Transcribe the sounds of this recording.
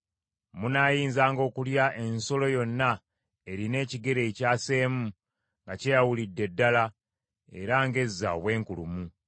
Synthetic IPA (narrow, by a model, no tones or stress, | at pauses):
munaːjiːnzaːŋɡo̞ːkuljaʔe̞nso̞lo̞jo̞nːa | e̞ɾine̞ːciɡe̞ɾe̞ːcaːse̞ːmu | ŋɡacejawulidːe̞dːala | e̞̰ɾaŋɡe̞zːa̰o̰βwe̞ːŋkulumu